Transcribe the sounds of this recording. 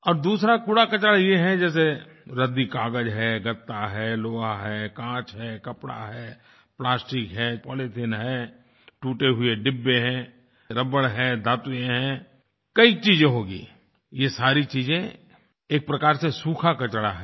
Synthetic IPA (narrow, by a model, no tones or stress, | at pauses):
ɔːɾd̪uːsɾakuɽakɐt͡ʃɽajeɦɛ̃d͡ʒɛːs̬e | ɾəd̪ikaːɡəd͡ʒɦɛɡət̪ːaɦɛːloːaɦɛːkãːt͡ʃɦɛːkɐpɽa̰ɦɛː | plaːsʈɪkɦɛːpɔːlet̪ʰɪnɦɛː | ʈuːʈeɦʊeɖɪbːeɦɛ̃ː | ɾəbəɽɦɛ̃d̪aːt̪jẽɦɛ̃ː | kɐit͡ʃiːzẽɦoːɡḭː | jesaːɾit͡ʃiːzẽ | eːk̚pɾɐkaːɾsesuːkʰakɐt͡ʃɽa̰ɦɛ